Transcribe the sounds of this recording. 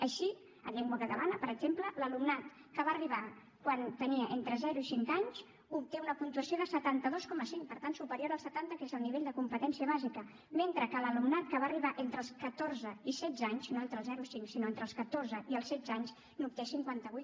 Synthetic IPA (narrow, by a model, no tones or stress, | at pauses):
əʃi | ə̰ʎɛŋɡwəkət̪əlanəpəɾəɡzemplələlumnat̪ | kəβaːriβ̞a | kwant̪əniəʔent̪ɾəzɛɾuisiŋkaɲz | up̚t̪eunəpunt̪uəsioðəsət̪ant̪əðoskɔməsiŋkpəɾt̪ansupəɾjoɾəlˠsət̪ant̪əkezəlˠniβeʎd̪əkumpət̪ɛnsiəβazikə | ment̪ɾəkələlumnat̪kəβaːriβaʔent̪ɾəlˠskət̪orzəisɛd̪d͡zaɲznoent̪ɾəlˠzɛɾuisiŋksinoent̪ɾəlˠskət̪orzəʔiəlˠsɛd̪zaɲz | nup̚t̪esiŋkwant̪əβuj̪